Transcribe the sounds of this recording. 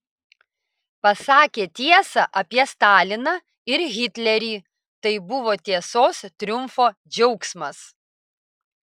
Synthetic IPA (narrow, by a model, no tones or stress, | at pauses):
pɐsɑːkʲeːt̪ʲiɛsɐʔɐpʲiɛst̪ɑːlʲɪnɐ | ɪɾɣʲɪt̪ʲlʲɛɾʲiː | t̪ɐɪbʊʋoːt̪ʲiɛsoːst̪ʲɾʲʊmfoː | d͡ʒʲɛʊksmɐs